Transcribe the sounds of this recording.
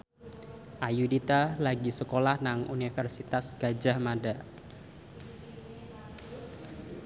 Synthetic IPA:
ʔajudit̪alaɡisəkolahnaŋunifɛrsit̪asɡ̥ad͡ʒahmada

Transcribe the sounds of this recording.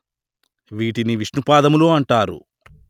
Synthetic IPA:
ʋiːʈiniʋiʂnupaːd̪ɐmuloːɐɳʈaːɾṵ

